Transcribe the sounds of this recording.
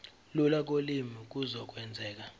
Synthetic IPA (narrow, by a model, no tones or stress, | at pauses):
lulak̬olimik̬ʼuzɔk̬ʼwɛnd͡zʱɛːk̬a